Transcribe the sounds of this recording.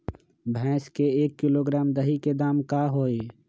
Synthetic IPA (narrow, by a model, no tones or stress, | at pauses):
bʱɛ̃ːskeeːkːiloːɡɾaːmd̪əɦiked̪aːmkaɦoːe